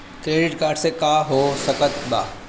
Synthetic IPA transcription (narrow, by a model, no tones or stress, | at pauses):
kɾeːɖɪʈkaːɾɖsekaːɦoːsɐkət̪ba̰ː